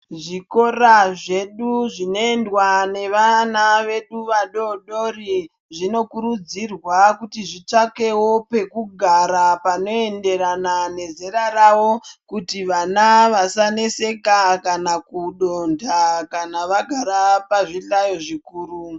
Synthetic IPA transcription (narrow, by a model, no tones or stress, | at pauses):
ʐiko̞raʐe̞ɗuʐino̞endwane̞ʋanaʋe̞ɗuʋaɗo̞ɗo̞ri | ʐino̞kuɾud͡zirwakutiʐit͡ʂake̞wo̞pe̞kuɡʱaɾapano̞e̞nde̞ɾanane̞zeɾarawo̞kutiʋanaʋasanese̞kakanakuɗondakanaʋaɡʱaɾapaʐiɬajo̞ʐikuːru